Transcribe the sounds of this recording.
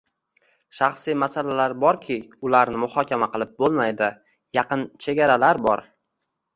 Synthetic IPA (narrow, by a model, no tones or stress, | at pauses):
ʃaχsijmasalalaɾbɒɾkʲʰɪʊlaɾnɪmʊhɒkʲamaqɨlˠɪp̚bolˠmajd̪ɪ | jɑqɨnt͡ʃʰe̞ɡʲaɾalaɾbɒ̰ɾ